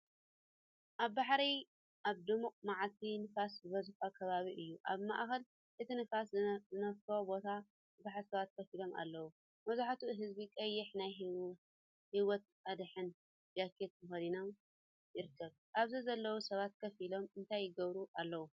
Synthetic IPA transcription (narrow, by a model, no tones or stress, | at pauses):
ʔaβbaħɾi | ʔaβd̪ɨmukʼmaʕalt̪ʰinɨfaszɨβɐzuħakʰɐβaβiʔɨjːuʔaβma̰ʔxɐl | ʔɨt̪ʰinɨfaszɨnɐft̪ʰobo̞t̪ʰa | bɨbaħɾsɐβat̪̚kʰɐfilo̞ma̰lːɐwu | mɐzaħat̪uɦɨzbikʼɐjːɪħnaj | hiwɔt̪̚ | ad̪ħɨn | d͡ʒakʰet̪mɨxɐlinom | jɪɾɨkʰːɐβ | ʔaβzizɐlːɐwusɐβat̪̚kʰɐfilo̞mɨnt̪ʰajːɪɡɐβɾuʔalːɐwu